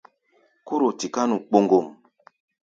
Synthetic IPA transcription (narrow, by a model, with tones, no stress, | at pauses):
ko˦ɾo˨ti˨ka˦nu˨k͡po˦ŋɡo˨m